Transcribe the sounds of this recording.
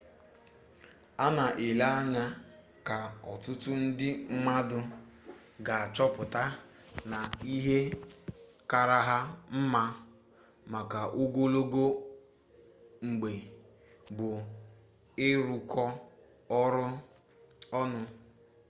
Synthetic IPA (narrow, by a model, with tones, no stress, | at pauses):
a˦na˨ʔe˨la˦a˦ɲa˦ | ka˨ɔ˨tʊ˦tʊ˦n̩˦dɪ˦ŋ͡m̩˦ma˦dʊ˦ | ɡa˨a˨t͡ʃɔ˦pʊ˨ta˦ | na˨i˦ɦe˦ | ka˨ɾa˦ɦa˦m̩˦ma˦ | ma˨ka˨ʔo˦ɡo˦lo˦ɡo˦ | ŋ͡m̩˨ɡ͡be˨ | bʊ˨ | ɪ˦ɾu˨kʰɔ˦ | ɔ˦ɾʊ˦ | ɔ˦nʊ˦